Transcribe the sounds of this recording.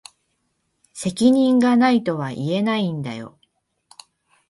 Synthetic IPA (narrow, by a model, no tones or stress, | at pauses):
se̞kʲiɲ̟ĩŋɡanait̪o̞βaʔie̞naĩnd̪a̰jo̞̰